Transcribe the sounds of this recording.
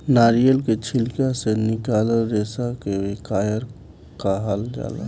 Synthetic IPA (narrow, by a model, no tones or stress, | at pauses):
naːɾijəlket͡ʃʰɪlkjasenɪkaːləɾeːsakeekaːjəɾ | kaɦald͡ʒa̰ːla̰ː